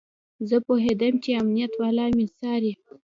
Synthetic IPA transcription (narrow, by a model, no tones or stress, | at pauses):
zəpoɦed̪əmt͡ʃeamnijat̪wɑlɑmisɑɾi